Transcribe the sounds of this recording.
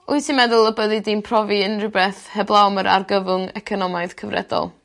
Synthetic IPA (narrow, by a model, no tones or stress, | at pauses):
ʊɨsinmɛðʊlˠəbəðɨdinpʰrɔviənrubɛθhɛblˠawməɾʔa̰rɡəvʊŋɛkʰɔnɔmaɨðkʰəvrɛ̰dɔ̰lˠ